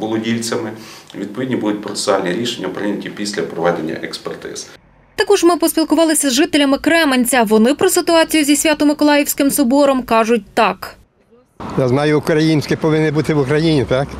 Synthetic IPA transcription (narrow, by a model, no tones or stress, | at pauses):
bʊlˠɔdʲilʲt͡sʲɐmɪʋʲid̪̚pɔʋidʲnʲibud̪ʊt̚ʲpɾɔt̪se̥sʊɑlʲnʲiɾʲiʃenʲːɐpɾɪnʲɐtʲipʲisʲlʲɐpɾɔʋɑdʲenʲːɐ̰ʔɛkspert̪ɪ̰z̥ | t̪ɐkɔʒmɪpɔsʲpʲilˠkʊʋɑlˠɪsʲɐzʒɪt̪elʲɐmɪkɾɛmenʲt͡sʲɐʋɔnɪpɾɔsɪt̪ʊɑt͡sʲijʊzʲisʲʋʲat̪ɔmɪkɔlˠɑjɪwsʲkɪmsɔbɔɾɔmkɑʒʊt̚ʲt̪ɑk | jaznɑjʊːkɾɐjinʲsʲkɪpɔʋɪnːɪbut̪ɪʋʊkɾɐjinʲit̪ɑk